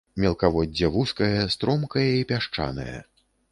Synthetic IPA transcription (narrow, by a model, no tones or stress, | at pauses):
mʲɛlˠkavɔdʲːɐvuskɐjɐst̪ɾɔmkɐjɐipʲaʂt͡ʂa̰nɐ̰jɐ̰